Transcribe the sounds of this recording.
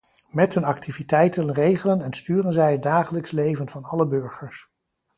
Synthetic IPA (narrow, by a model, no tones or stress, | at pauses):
mɛtɦɵnɑk̚tʰivitɛjtənrejχələnɛnstyːrənzɛjəd̚aːχələkslejvənvɑnɑləbøɹχəɹs